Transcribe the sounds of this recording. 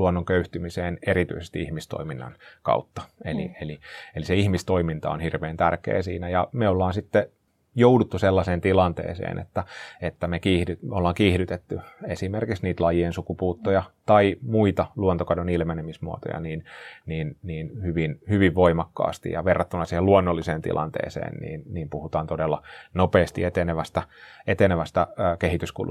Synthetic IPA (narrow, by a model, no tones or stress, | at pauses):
luonːoŋkøyht̪ymiseːnerit̪y̰isest̪iihmist̪o̰iminːɑ̰nkɑ̰ut̪ːɑ̥ellḭelieliseihmist̪oimint̪ɑ̰o̰nhirʋeːnt̪ærkḛːsḭːnæjɑmeolːɑːnsit̪ːe | joudut̪ːuselːɑseːnt̪ilɑnt̪ḛːsḛːnḛt̪ːæet̪ːæmekiːhdyolːɑːŋkihdyt̪et̪ːyesimerkiksniːt̪lɑjiensukupuːt̪ːojɑt̪ɑimuit̪ɑluont̪okɑdonilmenemismuo̰t̪o̰jɑ̰niːnniːnniːnhyʋinhyʋiʋʋoimɑkːɑ̰ːst̪ḭjɑʋerːɑt̪ːunːɑsiheluonːolːiseːnt̪ḭlʔɑ̰nt̪ḛːsḛːnnḭːnniːmpuhut̪ɑːnt̪odelːɑnopeːst̪ḭet̪eneʋæst̪æet̪eneʋæst̪æːkeɦit̪yskṵlu